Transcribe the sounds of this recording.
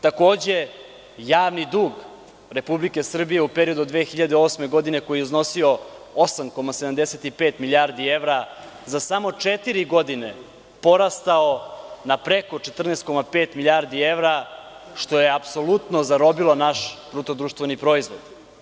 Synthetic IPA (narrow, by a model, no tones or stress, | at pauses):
t̪ako̞ːd͡ʑe̞ | jaːʋnid̪uːɡ | ɾe̞publike̞sr̩bije̞upeɾio̞d̪ud̪ʋeːxiʎad̪eo̞sme̞ɡo̞d̪ine̞ko̞jijuzno̞sio̞osamko̞mased̪amd̪eset̪ipeːt̪milʲjaɾd̪ie̞ʋɾa | zasamo̞t͡ʂet̪iɾiɡo̞d̪ine̞ | po̞ɾast̪aonapɾe̞kot͡ʃet̪r̩neːst̪̚ko̞mape̞ːt̪miljaɾd̪ie̞ʋɾaʃt̪o̞jeapso̞lut̪no̞zaɾo̞bilˠonaʃt̪ɾut̪od̪ɾuːʃt̪ʋenipɾo̞izʋo̞d̪